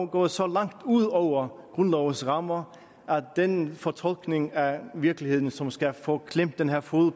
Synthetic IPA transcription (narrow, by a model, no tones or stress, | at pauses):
ɡ̥ɔ̰ːsɒ̽lɑ̈ŋ̰d̥uð̰ˠɒʊ̰ɐɡ̥ʁɔnlɒʊənsʁɑ̈mɐ | æd̥enfɒt͡sʰɒ̽l̰ɡ̥ne̝ŋæʋiɐklihe̝ð̞̰ˠn̩sɒ̽msɡ̥æfɔkʰlem̰b̥̚d̥enɦæɐfo̝ð̩ˠ